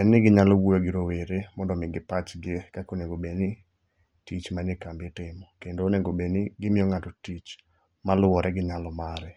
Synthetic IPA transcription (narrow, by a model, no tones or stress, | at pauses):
ɛnːɪɡɪɲalɔwuoɡɪɾoweɾemɔndɔmɪɡɪpat͡ʃɡɪekakoneɡobeni | tit͡ʃmanɪkambetɪmɔkendoːneŋɡobenɪɡɪmɪɔŋatɔtit͡ʃ | malʊwɔɾʔɛɡɪɲalɔmaɾɛ